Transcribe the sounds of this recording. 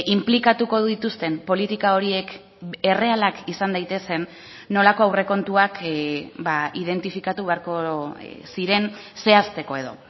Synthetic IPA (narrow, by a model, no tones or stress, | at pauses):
ʔimplikat̪uko̞ððit̪ust̪e̞mpo̞lit̪ikao̞ɾie̞k | e̞re̞alakisand̪ajt̪e̞se̞nː | o̞lako̞awre̞ko̞nt̪uakbaʔið̞e̞nt̪ifikat̪uβe̞aɾko̞siɾe̞n | se̞ast̪e̞ko̞e̞ð̞o̞̰